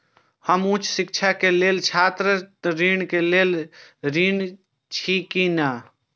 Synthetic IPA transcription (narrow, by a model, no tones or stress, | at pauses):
həmũːt͡ʃʰsɪk̚t͡ʃʰakeleːlt͡ʃʰaːt̪ɾət̪ɾiːɳkeleːlɾiːn | t͡ʃʰikinaː